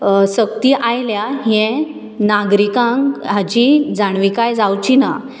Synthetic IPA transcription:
sək̚t̪iːʔajljaɦɛ̃ | naɡɾikãŋkɦad͡ʑid͡zaɽʋikajd͡zawt͡ɕina

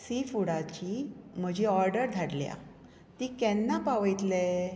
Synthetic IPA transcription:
sifuɽat͡ɕiːm̤əd͡ʑiɔɾɖəɾd̪ʱaɽlja̰ | t̪iːkɛnːapaʋəjt̪le

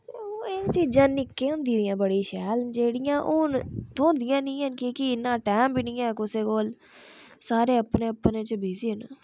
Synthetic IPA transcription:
t̪ːoːeːkt͡ʃiːd͡ʒaːnɪkːeːʊ̃nd̪iːd̪ijãːbəɽiːʃɛːld͡ʒeːɽɪjãːʔoːnt̪õːnd̪ɪjãːnĩːɦənkikiɪnːãːʈɛːmbiːnĩːɛːkʊseːkoːl | saːɾeːəpneːəpnẽːt͡ʃəbiːsiːɦənː

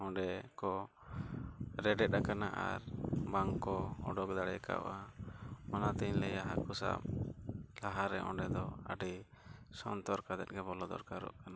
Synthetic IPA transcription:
ɔ̃ɳɖɛkɔ | ɾɛɖɛt̪̚akanaʔa̰ɾbaŋkɔɔɖɔk̚d̪aɽɛka̰ʔamɔnat̪iɲlɛjaɦakusa̰b | laɦaɾɛ̰ʔɔ̰̃ɖɛd̪ɔa̰ɖi | sɔnt̪ɔɾkad̪ɛt̪̚ɡɛbɔlɔd̪ɔ̰ɾkaɾɔ̰ʔkana

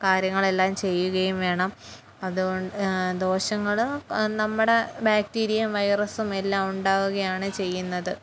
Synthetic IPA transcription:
kaːɾjɐŋːɐɭe̞lːaːmt͡ɕe̞jːuɣɐjumʋe̞ːɳɐm | ɐðuoɳɖd̪o̞ːɕɐŋːɐɭnɐmːuɽe̞baːk̚tiːɾijɐmʋɐjrɐsume̞lːaːmuɳɖaːʋuɣɐjaːɳɨt͡ɕe̞jːunːɐðɨ

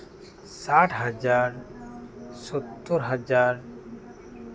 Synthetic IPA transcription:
saʈʰɦad͡ʒaɾ | sɔt̪ːɔɾɦad͡ʒaɾ

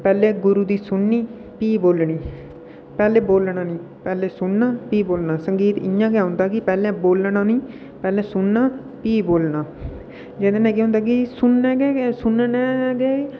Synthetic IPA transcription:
pɛːleːɡʊɾuːd̪iːsʊnːiː | piːboːlɳiː | pɛːleːboːlnaːnĩː | pɛːleːsʊnnãːpiːboːlnaːsəŋɡiːt̪ɪ̰jãːkɛːɦʊ̃nd̪aːkɪpɛːlẽːboːlnaːnĩː | pɛːleːsʊnːaː | piːboːlnaː | d͡ʒed̪ẽːnɛ̃ːkeɦʊ̃nd̪aːk̬ɪsʊnːɛːɡeːsʊnnɛːɡeː

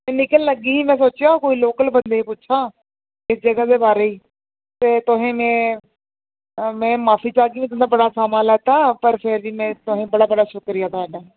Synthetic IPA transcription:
mɛ̃ːnɪkəlːəɡiːɦiːmɛ̃ːs̬oːt͡ʃjaːokoːiːloːkəlbənd̪eːĩpʊːʃʰaː | ɪsd͡ʒəɡaːd̪eːbaːɾeːiː | t̪eːt̪ʊɦẽːmɛ̃ː | mɛ̃ːmaːfʰiːt͡ʃaːɡiːʋĩːt̪ənd̪aːbəɽaːsaːmaːlɛːt̪aːpəɾpʰɪɾʋiːmɛ̃ːt̪ʊɦẽːbəɽaːbəɽaːʃʊkɾɪjaːt̪ʊɦaːɖaː

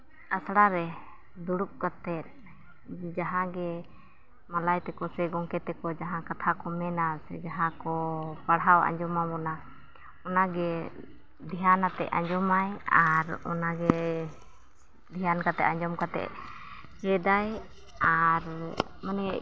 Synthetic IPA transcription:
asɽaɾɛ | d̪uɽup̚kat̪ɛt̪̚ | d͡ʒaɦãɡɛ | malajt̪ɛkɔsɛɡɔŋkɛt̪ɛkɔd͡ʒaɦãkat̪ʰakɔmɛnasɛd͡ʒaɦãkɔpaɽɦawa̰ɲd͡ʒɔmamɔna | ɔnaɡɛ | d̪ʱijanat̪ɛ̰ʔa̰ɲd͡ʒɔmajaɾɔ̰naɡɛ | d̪ʱijankat̪ɛ̰ʔ̪aɲd͡ʒɔmkat̪ɛ̰ʔ̚ | kɛd̪aj | aɾ | manɛ

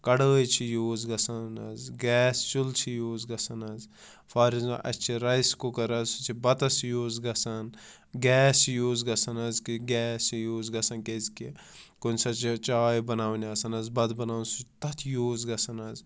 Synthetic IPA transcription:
kɐɽəːjit͡ʃʰijoːzɡɐsɐnɐzɡɛːst͡ʃult͡ʃʰijoːzɡɐsɐnɐz | faːɾiz̰ʔɐ̰t͡ʃʰiɾɐjskokɐɾɐzsut͡sʰibɐt̪ɐsijoːzɡɐsɐn | ɡʲɛːsijoːzɡɐsɐnɐzkiɡɛːsijoːzɡɐsɐnkezkikunʲsɐt͡ʃit͡ʃaːjibɐnaːʋuniɐsɐnɐzbɐd̪bɐnaːwnsut̪ɐt̪ʰjoːzɡɐsɐnɐz

